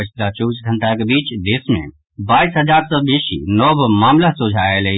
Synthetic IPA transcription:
ət͡ʃ̪lat͡ʃobisɡʱəɳʈakebit͡ʃd̪esmḛ | baisɦəd͡ʒaɾsəbesḭnɔbmamlasod͡ʒʱaelɛ

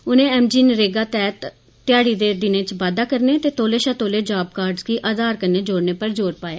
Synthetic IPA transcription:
ʊnẽːɛːmd͡ʒiːnɾeːɡaːt̪ɛːt̪ː | ɪjaːɽiːd̪eːd̪ɪnẽːt͡ʃʋaːd̪aːkəɾneːt̪eːt̪oːleːʃãːt̪oːleːd͡ʒaːb̚kaːɾɖzkiːʔaːd̪aːɾkənːeːd͡ʒoːɽneːpəɾd͡ʒoːɾpaːjaː

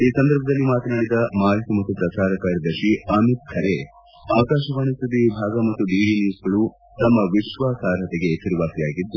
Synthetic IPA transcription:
iːsɐnd̪ɐɾbʱɐd̪ɐlːimaːt̪ɐnaːɽid̪ɐmaːlkumɐt̪ːupɾɐt͡ʃaːɾɐkaːɾjɐd̪ɐʃiɐmit̪̚kʰɐɾe | aːʋɐkaːʃɐʋɐɳisud̪ibʱaːɡɐmɐt̪ːuɖiːɖiːniːsɡɐɭu | t̪ɐmːɐʋiʃʋaːsaːɾɦɐt̪ɛɡe̞ʃiɾiʋaːsijaːɡid̪ːu

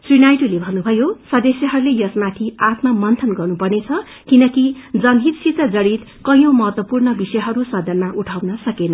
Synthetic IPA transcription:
srinajʈulebʱʌnːubʱʌjosʌd̪ʌsjʌɦʌɾulejʌsmat̪ʰiat̪mʌmʌnt̪ʰʌnɡʌrnupʌrnet͡sʰʌ | kinʌkid͡zʌnd̪ʱit̪sit̪t͡sʌd͡zʌɽit̪ | kʌjõmʌɦʌt̪wʌpurnʌbisʌjɦʌɾusʌd̪ʱʌnmaʔuʈʰawnʌsʌkenʌ

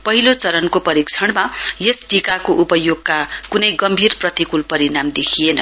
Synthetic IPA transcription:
pʌɦilot͡sʌɾʌnkopʌɾikt͡sʰʌɽmajesʈikakoʔupʌjoɡkakunʌjɡʌmbʱirprʌt̪ikulpʌɾinamd̪ekʰijenʌ̰

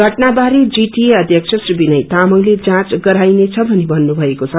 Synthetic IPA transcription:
ɡʱʌʈnabaɾid͡ziʈieʌd̪ʱjʌksʰʌsribinʌjt̪amʌŋled͡zãt͡sɡʌɾajnet͡sʰʌbʱʌnebʱʌnːubʱʌekot͡sʰʌ

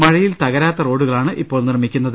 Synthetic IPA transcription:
mɐɻɐjilt̪ɐɣɐɾaːt̪ːɐro̞ːɽuɣɐɭaːɳɨʔipːoːɭnirmikʲːunːɐðɨ

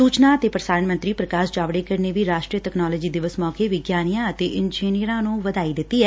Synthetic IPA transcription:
suːt͡ʃnãːət̪eːpɾəsaːɾəɳmə̃nt̪ɾiːpɾəkaːsd͡ʒaːʋɽeːkəɾneːʋiːɾaːʃʈɾiːəʈɛknaːlɔːd͡ʒiːd̪ɪʋəsmɔːkeːʋɪɡjaːnijãːət̪eːʔɪnd͡ʒiːnijəɾãːnũːʋəd̪aːiːd̪ɪt̪ːiːɛː

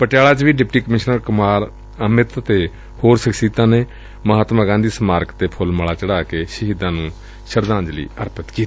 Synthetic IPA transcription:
pəʈjaːɭaːt͡ʃʋiːɖɪp̚ʈiːkəmɪʃnəɾkʊmaːɾ | əmɪt̪t̪eː | hoːɾsəksiːt̪ãːneː | məɦaːt̪maɡãːnd̪iːsəmaːɾkt̪eːpʰʊlməɭaːt͡ʃəɽaːkeːsəɦiːd̪ãːnũː | ʃəɾd̪ãːnd͡ʒlḭːəɾpət̪kiːt̪ː

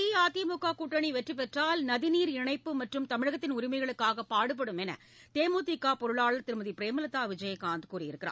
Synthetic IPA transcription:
iːaːt̪ijɐmukːaːkuːʈːɐɳiʋɛʈrip̬ɛʈraːlnɐðɪniːɾɪɳɐɪpːɯmɐʈrɯmt̪ɐmɪɻɐɣɐt̪ːɪnʊɾɪmɐɪɣɐɭɯkːaːɣɐpaːɽɯp̬ːɐɽɯmɛnɐ̰ | t̪eːmoːt̪ɪkːaːpɔɾɯɭaːɭɐɾt̪ɪɾɯmɐðipɪɾeːmɐlɐt̪ːaːʋɪd͡ʒɐjɐkːaːnd̪ɯkuːrɪjɪɾɯkːɪɾa̰ː

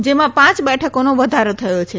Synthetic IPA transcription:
d͡ʒemãpãt͡ʃbɛʈʰəkonoʋəd̪ʱaɾot̪ʰəjot͡ʃʰe

